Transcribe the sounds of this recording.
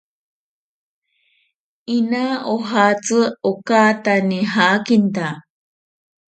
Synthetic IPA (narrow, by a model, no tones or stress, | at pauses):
inaoɦat͡sɨokat̪aniɦakint̪a